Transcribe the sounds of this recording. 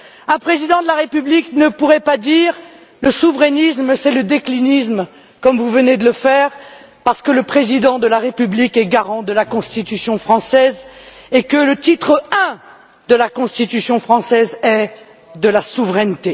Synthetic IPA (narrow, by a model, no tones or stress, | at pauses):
ɛ̃pχezid̪ɑ̃d̪əlaʁepybliknəpuʁɛpad̪iːʁ | ləsuvʁɛnisməsɛləd̪eklinism | kɔmvuvəned̪ələfɛʁ | paʁsə̥kələpχezid̪ɑ̃d̪əlaʁepyblikɛɡaʁɑ̃d̪əlakɔ̃st̪it̪ysjɔ̃fχɑ̃sɛzekələt̪it̪χəɛ̃ | d̪əlakɔ̃st̪it̪ysjɔ̃fχɑ̃sɛzɛ | d̪əlasuvʁɛnt̪e